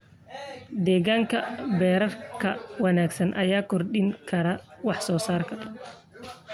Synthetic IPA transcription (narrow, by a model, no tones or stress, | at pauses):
d̪ɛːɣaːŋkʰɐbɛːɾɐrkʰɐwɑnaːɡsɐnʔɐjaːkʰɔrɗɪŋkʰɐɾɐwɑħsɔːsaːrkʰɐ